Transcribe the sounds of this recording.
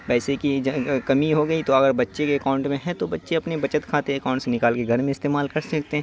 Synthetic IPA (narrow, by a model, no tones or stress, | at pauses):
ʋɛːsekid͡ʒkɐmiɦoɡɐit̪oɐɡəɾbɐtːʃekeɐkãːʊ̃ɳʈmẽɦɛ̃t̪obɐtːʃeɐpnebɐt͡ʃət̪kʰaːt̪eɐkaːʊ̃ɳʈsenɪkaːlkeɡʱɐɾmẽɪst̪eːmaːlkɐɾsɐk̚t̪eɦɛ̃ː